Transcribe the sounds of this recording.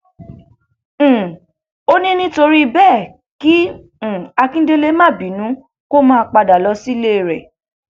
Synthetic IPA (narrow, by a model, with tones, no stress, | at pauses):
o˦nĩ˦nĩ˦to˧ɾi˦˧bɛ˦˨ | kĩ˦˨ | a˧kĩ˦de˦le˧˦mã˦˨bi˨nũ˨˦ | ko˦mãː˦˧k͡pa˧da˨lɔ˧˦si˦le˦˨ɾɛ˨